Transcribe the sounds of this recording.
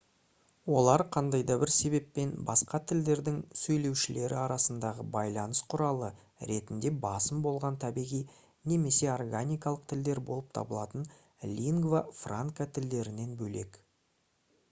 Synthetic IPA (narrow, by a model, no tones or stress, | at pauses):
wo̞lˠɑɾqʰɑnd̪ɑjd̪ɑbɪɾse̞βe̞pːe̞nbɑ̰sqɑt̪ʰɪld̪e̞ɾd̪ɪŋsɵjle̞wʃɪle̞ɾɪɑɾɑsənd̪ɑʁəbɑjlˠɑnəsqʰʊɾɑlˠə | ɾe̞t̪ɪnd̪e̞bɑsəmbo̞lˠʁɑnt̪ʰæbiʁij | ne̞me̞se̞orɡanʲijkɑlˠəq̚t̪ʰɪld̪e̞ɾbo̞lˠəp̚t̪ʰɑ̰bəlˠɑt̪ən | lʲiŋɡvafraŋkat̪ʰɪld̪e̞ɾɪne̞nbɵle̞k